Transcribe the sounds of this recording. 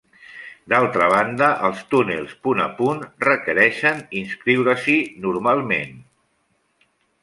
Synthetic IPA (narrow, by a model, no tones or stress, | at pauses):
d̪alˠt̪ɾəβ̞and̪əʔəlˠst̪unḛlˠspuna̰punrəkəɾɛʃəninskɾiwɾəsinuɾmalˠmḛn